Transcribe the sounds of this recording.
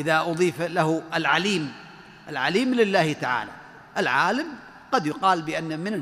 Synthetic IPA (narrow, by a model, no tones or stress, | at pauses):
ʔɪðaʔʊðˤiːflaɦɪlʕaliːm | ʔɪlʕaliːmlɪlːaːht̪aʕa̰ːla̰ | ʔɪlʕaːlam | qɑd̪jʊqɑːlbɪʔanːamɪn